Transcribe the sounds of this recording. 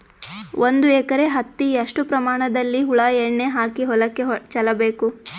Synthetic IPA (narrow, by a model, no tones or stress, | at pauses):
ʔond̪uɛːkɐɾe̞ɦɐt̪ːiɐʂʈupɾɐmaːɳɐd̪ɐlːiɦuɭaːɛɳːeɦaːkiɦɔlɐkːet͡ʃɐlɐbe̞ːku